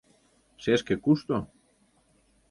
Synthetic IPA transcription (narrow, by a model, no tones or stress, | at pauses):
seskekust̪o